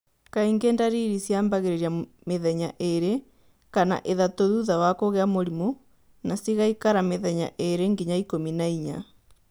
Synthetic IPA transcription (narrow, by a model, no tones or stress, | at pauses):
kaiŋɡeːndaɾiɾisjaːmbaɣeɾeɾia | meðɛɲaʔeɾe | kana̰ʔeðatoðuðawakoɣeamoɾimo | nasiɣaikaɾameðɛɲa̰ʔeɾeŋɡiɲaikominaiɲa̰